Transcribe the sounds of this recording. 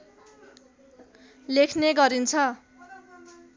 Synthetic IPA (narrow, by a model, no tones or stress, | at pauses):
lekʰneɡʌɾint͡sʰʌ